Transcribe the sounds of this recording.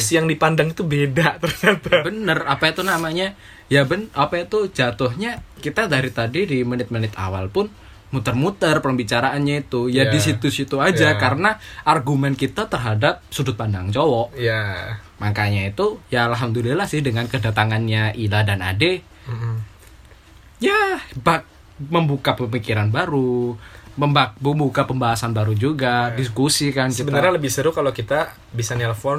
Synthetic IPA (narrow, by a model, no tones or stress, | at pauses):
sjaŋdipandaŋit̪ubedat̪ərɲat̪abənərapait̪unamaɲa | jabənapait̪ud͡ʒat̪ʊɦɲakit̪adaɾit̪adidimənɪt̪̚mənɪt̪a̰wa̰lpʊn | mut̪ərmut̪ərpəmbit͡ʃaɾaʔanɲait̪ujadisit̪usit̪uad͡ʒakaɾənaarɡumɛnkit̪at̪ərɦadap̚sudʊt̪̚pandaŋt͡ʃowɔʔja | maŋkaɲait̪ujaalɦamd̪uliilahsɪhdəŋankədat̪aŋanɲaʔiladana̰de | jabak̚ | məmbukapəmikiɾanbaɾu | məmbaəmbukapəmbaɦasanbaɾud͡ʒuɡadiskusikansibənnəɾɲaləbɪhsəɾukalokit̪a | bisanɛləfɔn